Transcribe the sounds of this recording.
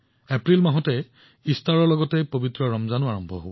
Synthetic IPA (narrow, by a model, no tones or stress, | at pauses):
ɛpɹilmaɦɔtɛ | istʰaɹɔɹlɔɡɔtɛpobitɹɔɹɔmzanʊaɹɔmbʱɔɦobɔ